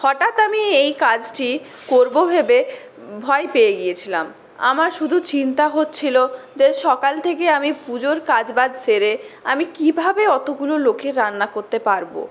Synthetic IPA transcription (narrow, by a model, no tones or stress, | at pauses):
hɔʈat̪amiejkad͡ʑʈi | koɾbobʱebe | bʱɔepeeɡiet͡ɕʰila̰m | a̰maɾʃud̪ʱut͡ɕint̪aɦot̪ːɕʰilod͡ʑeʃɔkalt̪ʰek̬eamipud͡ʑoɾkad͡ʑbad̪seɾeamikibʱabeɔt̪oɡulolokeɾːanːakoɾt̪epaɾbo̰